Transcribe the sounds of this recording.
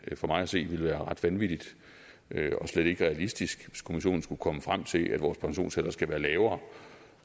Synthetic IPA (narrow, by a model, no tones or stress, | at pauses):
fɒ̽mɑ̈ɪæse̝̰ːʋe̝lʋæːɐʁɑ̈d̥ʋænʋid̥id̥ | ʔøɒ̽sled̥e̝ɡ̥əʁɛælisd̥isɡ̥ʋeskʰo̝miɕo̝̰ːn̩sɡ̥ukʰɒ̽məfʁam̰t͡sʰe̝lʔæd̥ʋɒːspʰɑ̈ŋɕo̝̰ːnselɐsɡ̥æʋæːɐlɛːʊɐː